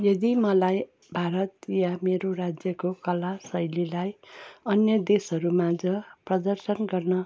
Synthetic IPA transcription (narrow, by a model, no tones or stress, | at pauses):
jʌd̪imʌlaj | bʱaɾʌt̪jameɾorad͡zjʌkokʌlasʌjlilajʌnjʌd̪esʌɾumad͡zʌprʌd̪ʌrsʌnɡʌrnʌ